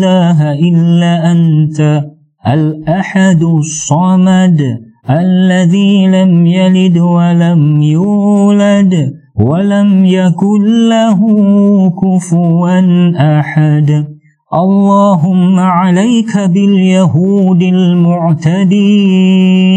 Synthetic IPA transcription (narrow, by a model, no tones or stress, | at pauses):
laːɦaʔɪlːaːʔant̪a | ʔalʔaħad̪sˤːɑmad̪ʔalːaðiːlamjalɪd̪walamjuːlad̪ | walamjakʊlːaɦʊkʊfʊɾɑnʔaħad̪ | ʔɑlˤːɑːɦʊmːaʕalajkabɪljaɦuːd̪almʊʕt̪ad̪iː